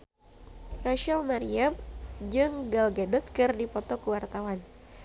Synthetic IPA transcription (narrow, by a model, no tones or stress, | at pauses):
raʃalmaɾiamd͡ʒɨŋɡalɡadɔt̪kɨrdipɔt̪ɔkuwart̪awan